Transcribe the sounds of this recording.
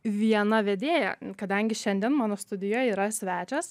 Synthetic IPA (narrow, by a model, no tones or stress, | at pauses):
ʋʲiɛnɐʋʲɛd̪ʲeːjɛ̰kɐd̪ɐŋʲɡʲɪʃʲɛnʲd̪ʲɛnmɑːnoːst̪ʊd̪ʲɪjoːjɛiːɾɐsʲʋʲæːt͡ʃʲɛs